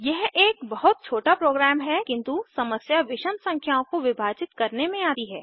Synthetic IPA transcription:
jɛɦeːkbɐɦʊt̪̚t͡ʃʰoːʈapɾoːɡɾɛːmɦɛkɪ̃nt̪usɐməsjaʋɪʃənsɐ̃ŋkʰjaːõkoʋɪbʱaːt͡ʃɪt̪kɐɾnemẽaːt̪iɦɛ̰ː

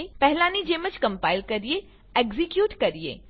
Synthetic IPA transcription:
pɛɦlãːnid͡ʒeːmət͡ʃkɐ̃mpaːɪlkɐɾije | eɡzikjuːʈkɐɾijḛː

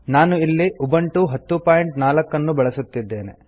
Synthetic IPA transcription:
naːnuilːiubɐɳʈuɦɐt̪ːupaːjiɳʈnaːlɐkːɐnːubɐɭɐsut̪ːid̪ːe̞ːne

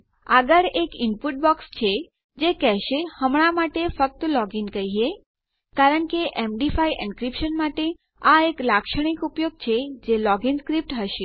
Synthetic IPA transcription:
aɡəɾekinpuʈ̚bɔkst͡ʃʰe | d͡ʒekɛɦʃehəmɳ̃amaʈefək̚t̪əlɔɡinkəɦie | kaɾəɳkeʔemɖifajʔɛ̰nkɾipʃənmaʈe | aeklakʃəɽ̃ikupjoɡ̚t͡ʃʰed͡ʒelɔɡinskɾip̚ʈɦəʃe

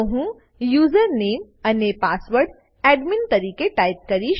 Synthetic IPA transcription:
oɦũ | juːzəɾneːm | ɐnjepaːsʋəɾɖ | ɛːɖmɪnt̪ɐɾiːkeʈaːjt̪̚kɐɾi

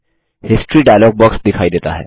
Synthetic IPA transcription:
hisʈɾiɖajlɔɡ̚bɔksd̪ikʰaid̪et̪a̰ɦɛ̰ː

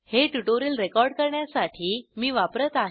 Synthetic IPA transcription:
heʈuʈoɾilɾekɔɾɖkəɾɳjasaʈʰiːmiːʋapɾət̪aɦ

